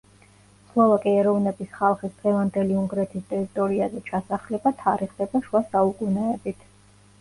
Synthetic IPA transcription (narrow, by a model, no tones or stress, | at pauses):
slˠɔvakʼiɛɾɔvnɛbisχalˠχisd̪̥ʁɛvand̪ɛliuŋɡɾɛt̪ʰist̪ʼɛɾit̪ʼɔɾiazɛt͡ʃʰasaχlɛbat̪ʰaɾiχd̪ɛbaʃwasaukʼunɛɛbit̪ʰ